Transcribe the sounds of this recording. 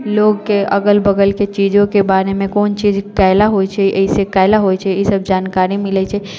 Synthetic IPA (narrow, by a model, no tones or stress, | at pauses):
loɡkeʔə̰ɡəlbəɡəlket͡ʃid͡ʒõkebaɾemẽkoːnt͡ʃid͡ʒkaɪlaɦojt͡ʃʰɛʔəisekaɪlaɦojt͡ʃʰɛisəb̚d͡ʒankaɾimilɛt͡ʃʰɛ